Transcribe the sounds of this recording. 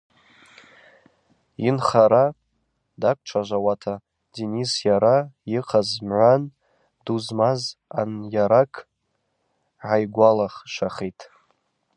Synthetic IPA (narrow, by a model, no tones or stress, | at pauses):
inχaɾa | dakʷʼʈ͡ʂʷʰaʒʷawatʰa | dinisjaɾajiqʰazmʕʷan | duzmazanjaɾakʼʰ | ʕajɡʷalaχʃaχitʼ